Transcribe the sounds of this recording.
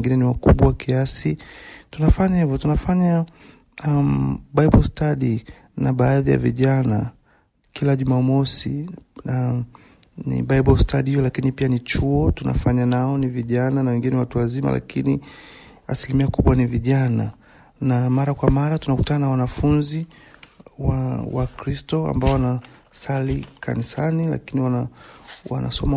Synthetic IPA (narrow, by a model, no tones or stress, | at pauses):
ŋɡinɛniwakuɓwakiasitunafaɲahivɔtunafaɲa | amɓaiɓɔlstaɗi | naɓaːðija̰viʄana | kilaʄumamɔsḭa | nḭɓaiɓɔlstʰaɗihijɔlakinipianit͡ʃuɔtuna̰faɲanaɔniviʄananawɛŋɡinɛnɛwatuwazima̰lʔa̰kini | a̰silimiakuɓwaniviʄana | namaɾakwamaɾatunaku̥tananawanafunzi | wawakɾistɔa̰mbaɔwanasalikʰa̰nisanila̰kiniwaawa̰na̰sɔma